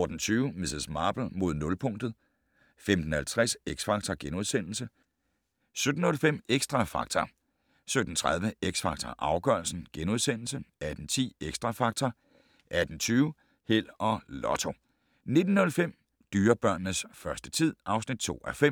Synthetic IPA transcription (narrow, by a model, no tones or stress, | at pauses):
ɒd̥n̩t͡sʰyːʊmessmɑ̈ːb̥l̩mo̝ð̞̰ˠnɔ̽lpʰɔ̽ŋ̰d̥ð̩ˠ | femd̥n̩hælt͡sʰʁɛseɡ̥sfɑ̈ɡ̥̚t͡sʰɐɡ̥enuð̞ˠsen̰l̩sə | sød̥n̩ɔ̽lfem̰eɡ̥sd̥ʁɑ̈fɑ̈ɡ̥̚t͡sʰɐ | sød̥n̩t͡sʰʁɑð̞ˠʋəeɡ̥sfɑ̈ɡ̥t͡sʰɐ̰ʔɑ̈ʊɡ̥ɶɐl̩sn̩ɡ̥enuð̞ˠsen̰l̩səæd̥n̩t͡sʰḭːeɡ̥sd̥ʁɑ̈fɑ̈ɡ̥̚t͡sʰɐ | ʔæd̥n̩t͡sʰyːʊ | hel̰ɒ̽lɒ̽t͡sʰo̝ | ne̝d̥n̩ːɔ̽lfem̰ | d̥yːɐb̥ɶɐ̰nːəsfɶɐsd̥ət͡sʰið̞̰ˠʔɑ̈ʊsnid̥̚t͡sʰo̝̰ːæfem̰